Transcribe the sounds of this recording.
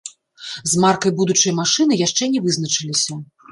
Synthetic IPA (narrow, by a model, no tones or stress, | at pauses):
zmarkɐjbud̪ut͡ʂɐjmaʂɨnɨjaʂt͡ʂɛnʲɛvɨznɐt͡ʂɨlʲisʲɐ